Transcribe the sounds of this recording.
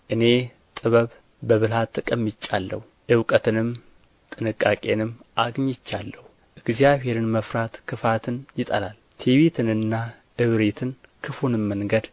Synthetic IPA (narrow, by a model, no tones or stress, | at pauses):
ʔɨne̞ | t̪ʼɨβəβ | bəβɨlat̪ʰʼːɨkʼəmːit͡ʃʼːalːə̰huʔɨwkʼət̪ɨnɨm | t̪ʼɨnɨkʼːakʼe̞nɨmʔaɡɲɪt͡ʃːalːəhu | ʔɨɡzjaβhe̞ɾɨnməfɾat̪kʰɨfat̪ʰɨnjɪt̪ʼə̰lalt̪ʰeβet̪ʰɨnɨnːa | ʔɨβɾet̪ʰɨnkʰɨfunmːəŋɡəd̪